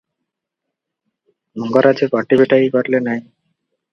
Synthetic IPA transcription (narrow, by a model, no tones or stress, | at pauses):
mɔŋɡɔɾad͡ʑekɔʈibeʈajkɔɾlenaj